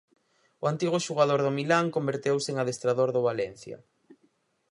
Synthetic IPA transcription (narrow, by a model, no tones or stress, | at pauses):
ʊant̪iɣʊʃuɣ̞aðoɾðʊmilaŋkombeɾt̪ewsɪeŋaðest̪ɾaðoɾðʊβalɛn̟θjɐ̰